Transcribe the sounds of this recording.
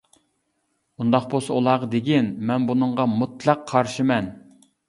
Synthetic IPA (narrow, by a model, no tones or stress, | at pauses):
und̪ɑqbosɑulˠɑʁɑd̪eɡʲinmɛnbunɨɴʁɑmut̪lˠɑqʰːɑɾʃɨmɛn